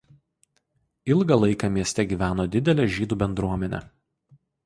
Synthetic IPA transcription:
ɪlˠɡɐlˠɐɪkɑmʲiɛsʲt̪ʲɛɡʲiːʋʲæːnoːd̪ʲɪd̪ʲɛlʲɛːʒʲiːd̪uːbʲɛnd̪ɾuɔmʲɛnʲɛ̰

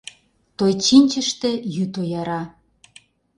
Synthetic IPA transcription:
t̪ojt͡ɕinʲt͡ɕə̆ʃt̪ĕjyt̪ojɑɾɑ

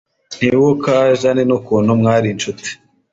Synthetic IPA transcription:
n̥iwokaːʒanenukuːnhumŋaːɾint͡ʃuti̥

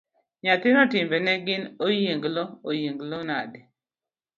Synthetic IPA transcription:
ɲat̪ɪnɔtɪmbɛnɛɡɪnojeŋɡlɔojeŋɡlonadɪ

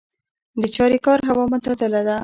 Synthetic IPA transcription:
d̪ət͡ʃɑɾikɑɾɦawɑmʊt̪ad̪əlad̪a

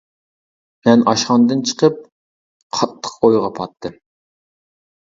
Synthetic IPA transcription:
mɛnɑʃχɑnd̪ɨnt͡ʃʰə̥qʰəp̚ | qʰɑt̪ʰːə̥qojʁɑpʰɑt̪ʰːɨm

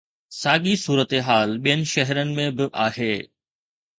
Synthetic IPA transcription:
saːɠisuːɾət̪eɦaːlɓijənɪ̆ʃɐɦɾənɪ̆mẽbɪʔaːɦheː

